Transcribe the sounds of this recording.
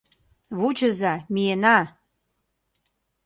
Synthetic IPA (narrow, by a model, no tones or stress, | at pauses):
βut͡ɕə̆zɑmienɑ